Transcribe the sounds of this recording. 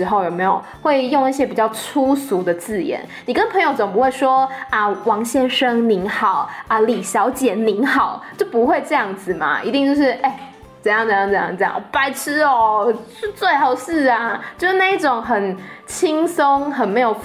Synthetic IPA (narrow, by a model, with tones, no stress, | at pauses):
ɻ̩˧˥xo˥˩ʊjo˨˩ʊme˧˥ɪjo˨˩ʊxwe˥˧ɪjo˥˧ŋi˥˩ɕ̬jɛ˥pi˨˩t͡ɕjɑ˥˩ʊʈ͡ʂʰu˦su˧˥d̪ə˨t͡sɹ̩˥˩jɛ̰˨˧˦nni˨˩kə˦˥npʰə˧˥ŋjo˧˩ʊt͡so˨˩ŋp̬u˦˥we˥˩ɪʂwɔ˥ə˧wɑ˧˥ŋɕjɛ˥˩nʂɤ˥ŋni˧˥nxɑ˨˩ʊə˧li˨˩ɕjɑ˧˥ʊt͡ɕjɛ˨˩˦ni˧˥nxɑ˨˩˦ʊt͡ɕjo˥˩ʊpu˧˦xwe˥˧ɪʈ͡ʂɤ˥˧jɑ˥˩ŋd͡z̩˨˩mɐ̰˩ʔḭ˧˥t̪i˥˧ŋt͡ɕjo˥˧ʊʂɻ̩˥˩ʔe˥˩ɪ | t͡sə˨˩jɑ˥˩ŋt͡sə˨˩˦jɑ˥˧ŋt͡sə˨˦jɑ˥˧ŋ˧ʈ͡ʂɤ˧jɑ̰˥˩ŋ˩pa˧˥ɪʈ͡ʂʰɻ̩˥ɔ˨˩ʂɻ̩˥˧t͡swe˥˩ɪxɑ˨˩ʊsɻ̩˥˩ɐ˩t͡ɕjo˥˧ʊʂɻ̩˥na˥˧i˥˩ʈ͡ʂʊ˨˩ŋxə˨˩nt͡ɕʰi˥ŋso˥ŋxə˨˩nme˧˥ɪjo˨˩ʊ